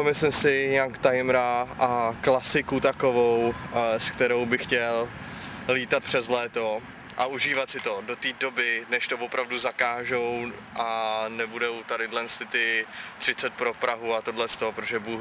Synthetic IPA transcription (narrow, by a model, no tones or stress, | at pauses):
omɪslɪmsɪɲɛakt̪ajmɾaʔaklasɪkut̪akovowskt̪ɛɾo̞wbɪxcɛl | liːt̪at̪̚pr̥ɛzlɛːt̪o | ʔaʔuʒiːvat̪sɪt̪o̞dot̪iːdo̞bɪnɛʃt̪o̞vo̞pɾavduzakaːʒowʔanɛbudo̞wt̪adɪdlɛnst̪ɪt̪ɪt̪r̝̥ɪt͡sɛt̪̚pɾo̞pɾaɦuat̪odlɛst̪opɾot̪oʒɛbuː